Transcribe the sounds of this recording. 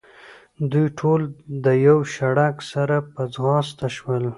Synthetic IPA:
d̪ujʈʰold̪əjawʃaɽaksaɾapəd͡zɣɑst̪aʃwəl

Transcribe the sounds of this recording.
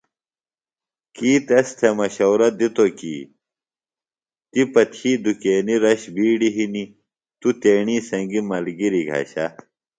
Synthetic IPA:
kiːt̪ɐst̪ʰemɐɕɐwɾɐd̪it̪okḭː | t̪ipɐt̪ʰiːd̪ukeːniɾɐɕbiːɖiɦini | t̪ut̪eːɳiːsɐŋɡimɐlɡiɾiɡʱɐ̰ːɕɐ

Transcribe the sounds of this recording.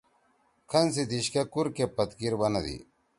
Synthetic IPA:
kʰɐnsid̪iɕkekuɾkepɐt̪kiɾbɐnɐd̪ḭ

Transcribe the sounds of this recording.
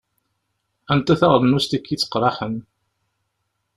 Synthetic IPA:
ænt̪æθaʁðnust̪ækːit͡sːə̥qːɾˤɑħən

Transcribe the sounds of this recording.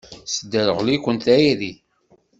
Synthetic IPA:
səd̪əɾəʁlikʷənt̪æjiði

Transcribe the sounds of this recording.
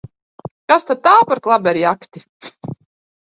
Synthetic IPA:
kast̪ad̪̚t̪ːaːwpaɾklˠabʲɛɾjakt̪ʲi

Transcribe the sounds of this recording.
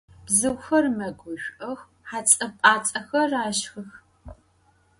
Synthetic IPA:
b̥zɨwxɐrmɐɡʷʊʃᶣʷʔɐx | ħaːt͡sʼɐpʼaːt͡sʼɐxɐraːʃxɨx

